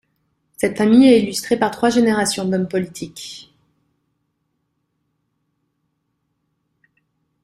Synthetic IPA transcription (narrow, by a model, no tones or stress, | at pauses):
sɛt̪famijɛilyst̪χepaʁt̪χwaʒeneʁasjɔ̃d̪ɔmpɔlit̪ʰik